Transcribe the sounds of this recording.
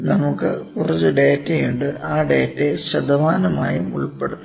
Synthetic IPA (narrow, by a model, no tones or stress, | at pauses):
nɐmukːɨkurɐt͡ɕːɨɖeːtːejuɳɖɨʔaːɖe̞ːtːeɕɐd̪ɐʋaːnɐma̰ːjimuɭpːeɽut̪ːu